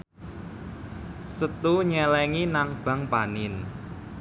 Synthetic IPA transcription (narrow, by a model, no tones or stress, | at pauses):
sət̪uɲɛlɛŋinaŋb̥a̤ŋpanɪn